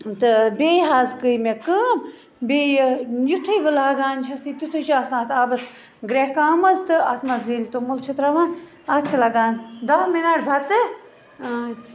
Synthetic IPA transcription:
t̪ɨbeːjɦaːzkɨjmekəːm | bejjut̪ʰɨjʋɨlaːɡaːnt͡ʃʰɐsit̪ʲut̪ʰut͡ʃʰasnãːt̪ʰaːbɐs | ɡɾeɦkaːmɐzt̪ɨat̪ʰmɐzliːlʲt̪omult͡ʃʰɐt̪ɾaʋãː | ɐt̪̚t͡ʃʰɐlaɡaːnd̪ɐɦminaːʈbʱɐt̪ɨ | t̪

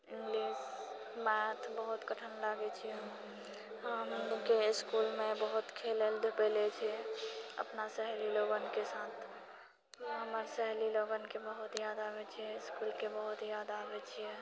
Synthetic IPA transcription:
ɪ̃ŋɡlis | mɛt̪ʰbəɦut̪kəʈʰənlaɡet͡ʃʰiɛ | ɦəmkeɪskulmẽbəɦut̪kʰeleld̪ʱepəlet͡ʃʰiɛə̰pnasəɦliloɡənkesat̪ʰ | ɦəməɾsəɦliloɡənkebəɦut̪jad̪abet͡ʃʰiɛɪskulkebəɦut̪jad̪aːbet͡ʃʰijɛ

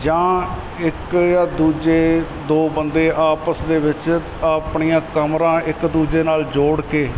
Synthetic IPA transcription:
d͡ʒãː | ɪkjaːd̪uːd͡ʒeː | d̪oːbənd̪eːʔaːpəsd̪eːʋɪt͡ʃ | aːpɳijãːkəmɾãːʔɪkd̪uːd͡ʒeːnaːld͡ʒoːɽkeː

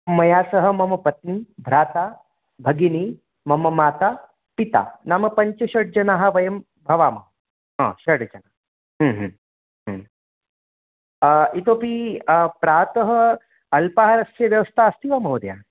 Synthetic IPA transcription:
mɐjaːsɐɦɐ̆mɐmɐpɐt̪nibʱɾaːt̪aː | bʱɐɡini | mɐmɐmaːt̪aː | pit̪a̰ːnaːmɐpɐɲt͡ʃɐʃɐɽd͡ʒɐnaːɦɐ̆ʋɐjɐm | bʱɐʋaːmɐ | ɦã̰ːʃɐɽd͡ʒɐnaː | ɦə̃ːɦ | ɦ | it̪oːpipɾaːt̪ɐɦɐ̆ | ɐlpaːɦɐɾɐsjɐʋjɐʋɐst̪ʰaɐst̪iʋaːmɐɦod̪ja̰ː

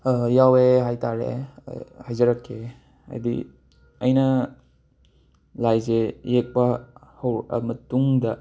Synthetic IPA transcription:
jaweɦajtaɾḛ | hajzɐɾɐkʰːe | a̰jdḭ | ɐjnɐ | lajzejek̚pɐhɐwɐ̰mɐtuŋdɐ

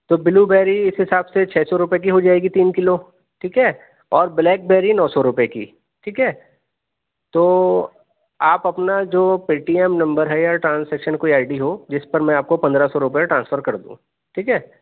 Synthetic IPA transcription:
t̪oːbɪlubɛːɾiɪsɦɪsaːbset͡ʃʰɛːsɔɾʊpjek̬iɦod͡ʒaːeːɡit̪iːnkɪlo | ʈʰiːkɦɛː | ɔːɾblɛːk̚bɛːɾinɔːsɔɾʊpekḭː | ʈʰiːkɦɛː | t̪oː | aːpɐpnad͡ʒoːpiːʈiːɛmnɐ̃mbəɾɦɛjaʈɾãːnsɛːkʃənkoːiaːɪɖiɦod͡ʒɪspɐɾmɛ̃aːp̚kopɐ̃nd̪ɾasɔɾʊpeʈɾãːnsfəɾkɐɾd̪ṵ̃ː | ʈʰiːkɦɛː

